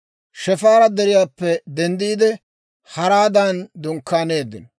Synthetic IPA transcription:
ʃɛfaːɾɐd̪ɛɾɪjaːpːɛd̪ɛnd̪iːd̪ɛ | hɐɾaːd̪aːnd̪ʊŋkːaːne̞ːd̪ːɪ̰nɔ

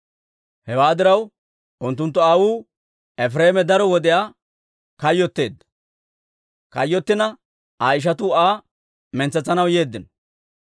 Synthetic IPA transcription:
hɛwaːd̪ɪɾɐw | ʔʊnt̪̬ːʊnt̪̬ːɔaːwuː | ɛfɾeːmɛd̪ɐɾɔwɔd̪ɛjaː | kɐjːɔt̪ːe̞ːd̪ːɐ̥ | kɐ̰jːɔt̪ːɪnɐ | ʔaːɪʃ̬ɐt̪ʊaː | mɛnt͡sːɛt͡sːɐnɐwje̞ːd̪ːɪn

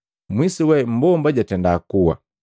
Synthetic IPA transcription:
mwisiwɛm̩bɔmbaɟatɛndakuwa̰

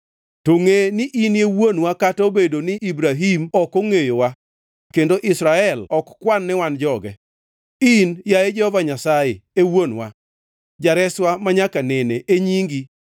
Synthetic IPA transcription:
toŋenɪʔinjewonwakatobedonɪʔibɾaɦimɔkoŋejowa | kendoʔɪsɾaɛlɔkkwanːɪwand͡ʒɔɡɛ̰ | injajed͡ʒɛhɔvaɲasajɪewonwa | d͡ʒaɾɛswamaɲakanɛneʔeɲiŋɡi

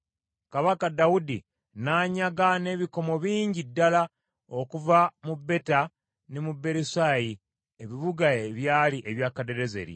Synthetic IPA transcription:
kaβakadawudḭ | naːɲaɡane̞ːβiko̞mo̞βiːɲɟidːala | o̞kuvamubːe̞ta | nemube̞ɾisaːji | eβiβuɡaeβjaːliʔeβjaːkade̞ɾe̞zḛɾḭ

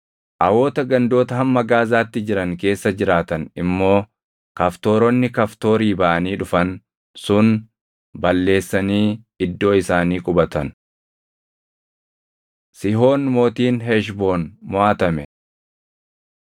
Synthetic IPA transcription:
ʔɐwoːt̪ɐɡɐnd̪o̞ːt̪ɐɦɐmːɐɡaːzaːt̪ːɪd͡ʒɪɾɐŋke̞ːsːɐd͡ʒɪɾaːt̪ɐnɪmːo̞ː | kɐft̪o̞ːɾɔnːɪkɐft̪o̞ːɾiːbɐʔɐniːᶑʊfɐn | sʊn | bɐlːe̞ːsːɐniː | ɪd̪ːo̞ːɪsaːniːkʼʊbɐt̪ɐn | sɪɦo̞ːnmo̞ːt̪iːnɦɛʃ̬bo̞ːnmʊʔaːt̪ɐmɛ

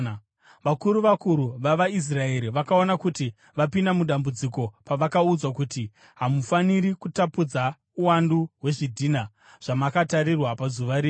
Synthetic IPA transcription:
ʋakuɾuʋakuɾuʋaʋais̬rae̞ɾiʋakaonakuti | ʋapindamuɗambud͡ziko̞paʋakaud͡zwakuti | ɦamufaniɾikutapud͡za | uwanduɦwe̞ʐidʱina | ʐ̥amakataɾirwapazuʋaɾiː

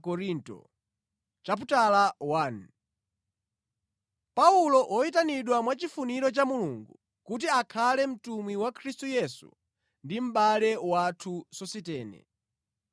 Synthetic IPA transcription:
kɔɾintɔ̰ | t͡ʃap̬utalawan | paulɔʔɔitaniɗwamwat͡ʃifuniɾɔt͡ʃamuluŋɡu | kut̬iakʰalɛm̩tumwiwakʰɾistujɛsṵ | ndim̩ɓalɛwatʰusɔsitɛːnɛ̰

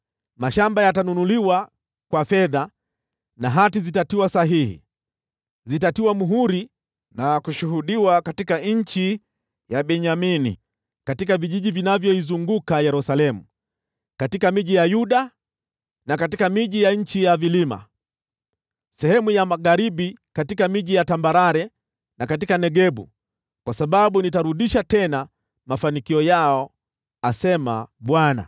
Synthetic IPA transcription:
maʃambajatanunuliwa | kwafɛða | naɦatizitatiwasaɦihḭ | zitatiwamuɦuɾi | nakuʃuhuɗiwakatikaɲ̩t͡ʃi | jaɓɛɲaminḭ | katikaviʄiʄivinavjɔizuŋɡukajɛɾusalɛmu | katikamiʄijajuɗa | nakatikamiʄijaɲ̩t͡ʃijavilima̰ | sɛhɛmujamaɣaɾiɓikatikamiʄijatambaɾaɾɛ | nakatikanɛɡɛɓṵ | kwasaɓaɓunitaɾuɗiʃatɛna | mafanikiɔjaɔ | asɛma̰ɓwana̰

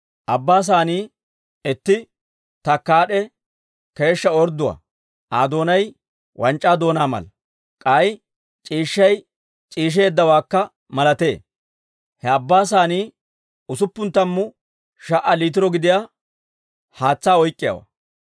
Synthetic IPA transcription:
ʔɐbːaːs̬aːniː | ɛt̪ːɪ | t̪ɐkːaːɗɛ | ke̞ːʃːɐɔɾd̪ːʊwa̰ː | ʔaːd̪o̞ːnɐj | wʔɐnt͡ʃʼːaːd̪o̞ːnaːmɐ̰lɐ | kʼɐj | t͡ʃʼiːʃːɐj | t͡ʃʼiːʃ̬e̞ːd̪ːɐwaːkːɐ | mɐlɐt̪e̞ː | hɛɐbːaːs̬aːniː | ʊsʊpːʊnt̪ːɐmːʊ | ʃɐʔɐliːt̪̬ɪɾɔɡɪd̪ɪjaː | haːt͡sːaːɔjkʼːɪja̰ːwɐ̰

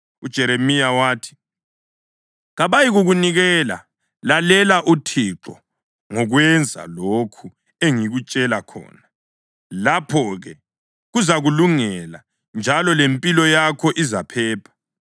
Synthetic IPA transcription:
ud̥ʒ̥ʱɛɾemijawaːtʰi̥ | ɣaβajiɣuɣuniɣɛːla̰ | lalɛlaʔutʰiǁɔ̰ | ŋɔɣwɛnd͡zʱa̰lokʰu | eŋiɣut͡ʃʼɛlakʰɔ̰ːna | lapʰɔɣɛ | ɣuzaɣuluŋɛla̰ | nd͡ʒʱalɔlempʼilɔjakʰɔʔizapʰɛːpʰḁ

